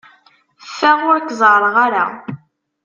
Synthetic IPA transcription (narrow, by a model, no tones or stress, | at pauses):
fːæʁʊɾkːzˤɾˤəʁaɾa̰